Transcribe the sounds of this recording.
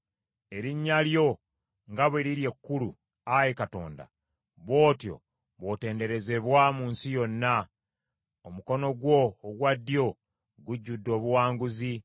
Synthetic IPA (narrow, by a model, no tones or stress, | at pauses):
e̞ɾiɲːaljo̞ | ŋɡaβweɾiɾje̞kːulu | ajekato̞̰ːnda̰ | βo̞ːtjo̞̰ | βo̞te̞ːnde̞ɾe̞ze̞βwamuːnsijo̞nːa | omuko̞no̞ɡwo̞ːɡwadːjo̞ | ɡuɟːudːo̞ːβuwaːŋɡuzi